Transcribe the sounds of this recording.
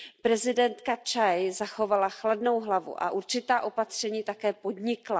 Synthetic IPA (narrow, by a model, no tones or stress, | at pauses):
pɾɛzɪdɛnt̪kat͡ʃajzaxo̞valaxladno̞wɦlavṵʔa̰ʔuɾt͡ʃɪt̪aːʔo̞pat̪r̝̥ɛɲiːt̪akɛːpo̞dɲɪkla